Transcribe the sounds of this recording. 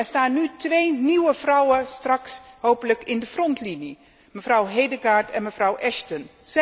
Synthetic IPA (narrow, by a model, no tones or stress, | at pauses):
ɛɹstaːnːytʋejniwəvrʌwəstrɑksɦowpələkɪndəfrɔntlini | məvrʌwɦejdəɡaːɹtɛnməvrʌwʔɛʃtəns